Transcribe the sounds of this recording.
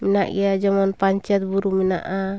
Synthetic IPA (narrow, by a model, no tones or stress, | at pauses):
minaʔḭjad͡ʒamɔnpaɲt͡ʃɛt̪̚buɾumina̰ʔa